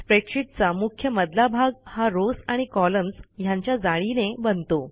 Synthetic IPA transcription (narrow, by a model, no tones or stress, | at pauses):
spɾekʂiʈ̚t͡samukʰjəməd̪labʱaɡhaɾosaɽ̃ikɔləmsjãɲt͡ɕjad͡zaɭinebənt̪o